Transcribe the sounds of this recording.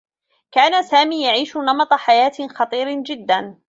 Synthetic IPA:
kaːnasaːmiːjaʕiːʃʊnɑmɑt̪ˤɑħajaːt̪xɑt̪ˤiːɾd͡ʒɪd̪ːan

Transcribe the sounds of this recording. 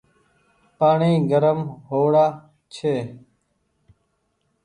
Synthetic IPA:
paːɳĩːɡəɾəmɦoːɽaː | t͡ʃʰeː

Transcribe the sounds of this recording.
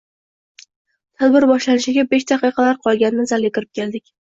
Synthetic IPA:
t̪ʰad̪bɪɾbɒʃlanɪʃɪɡʲabe̞ʃd̪ɑqɨqʰɑlaɾqʰɒlˠɡʲanːɪzalʲet̪ʲɪɾɪp̚kʲʰeld̪ɪkʲ

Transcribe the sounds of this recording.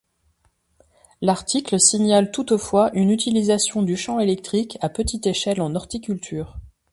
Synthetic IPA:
laʁt̪ikləsiɲalt̪ut̪fwaʔynyt̪ilizasjɔ̃d̪yʃɑ̃elɛk̚t̪χikʰapət̪it̪eʃɛlɑ̃nɔʁt̪ikʲylt̪ʰyːʁ

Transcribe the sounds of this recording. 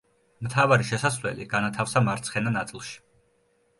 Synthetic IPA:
mt̪ʰavaɾiʃɛsasvlɛ̰liɡ̥anat̪ʰafsamaɾt̪sʰχɛnanat̪sʼilˠʃi̥

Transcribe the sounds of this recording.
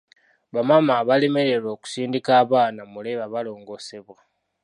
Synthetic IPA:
βamamaβale̞me̞ɾe̞ɾo̞ːku̥siːndikaːβaːnamule̞βaβalo̞ːŋɡo̞se̞βwa

